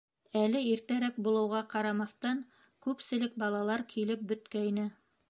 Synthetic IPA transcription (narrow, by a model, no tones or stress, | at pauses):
ælɘiɾt̪æɾæk̚bulˠɤ̆wʁɑqɑɾɑmɑst̪ɑŋ | kʉpsɘ̆lɘk̚bɑlˠɑlˠɑɾkʰilɘp̚bɵ̆t̪kæinɘ